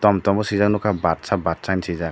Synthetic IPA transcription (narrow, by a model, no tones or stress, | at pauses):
tɔmtɔmbɔsizaknɔkʰabat̚sabat̚sajnsiza